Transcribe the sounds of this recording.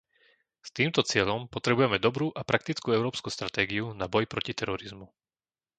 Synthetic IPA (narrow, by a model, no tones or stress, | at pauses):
st̪iːmt̪ɔt͡sɪɛʎɔmpɔt̪ɾɛbujɛmɛd̪ɔbɾuːʔapɾak̚t̪it͡skuːɛʊɾɔːpskuːst̪ɾat̪ɛːɡiunabɔjpɾɔcit̪ɛɾɔɾizmu